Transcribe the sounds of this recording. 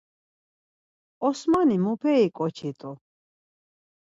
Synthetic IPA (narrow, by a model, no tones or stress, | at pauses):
ɔsmanimupʰɛikʼɔt͡ʃʰit̪ʼu